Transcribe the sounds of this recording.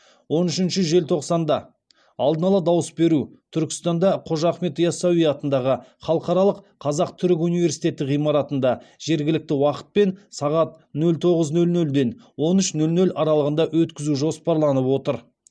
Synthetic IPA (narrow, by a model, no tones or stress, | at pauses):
wo̞nʏʃɪnʃɪʒe̞lt̪ʰo̞qsɑnd̪ɑ | ɑlˠd̪ənɑlˠɑd̪ɑwəsbe̞ɾut̪ʰʏɾkʲɪst̪ɑnd̪ɑqʰo̞ʒɑχme̞t̪jɑsɑwijɑt̪ənd̪ɑʁəχɑlˠəqɑɾɑlˠəqʰːɑzɑqt̪ʰʏɾɪk̬unijve̞ɾsijt̪ʰe̞t̪ːɪʁijmɑɾɑt̪ənd̪ɑʒ̥e̞ɾɡʲɪlɪk̚t̪ɪwɑqə̥t̪̚pe̞nsɑʁɑt̪ | nɵlt̪ʰo̞ʁəznɵlnɵld̪e̞nwo̞nʏʃnɵlnɵlʔɑɾɑlˠəʁənd̪ɑʔwɵt̪kʲɪzuʒo̞spɑɾlˠɑnəpwo̞t̪əɾ